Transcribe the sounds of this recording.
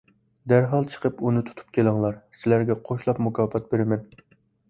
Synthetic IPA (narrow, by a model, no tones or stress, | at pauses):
d̪æɾɦɑlˠt͡ʃʰə̥qʰəpunɨt̪ʰu̥t̪ʰu̥p̚kʲʰelɪŋlˠɑɾsɪlæɾɡʲɛqʰoʃlˠɑpmukʰɑːpɑt̪̚beɾɪmɛn